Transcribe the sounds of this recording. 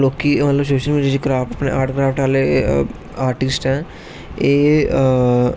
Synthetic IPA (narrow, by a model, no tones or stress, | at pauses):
loːkiːmət̪ləbs̬oːʃəlmiːɖijaːd͡ʒikɾaːpəpnḛʔaːʈkɾaːfʈaːle | aːɾʈɪsʈɦɛ̃ː | eː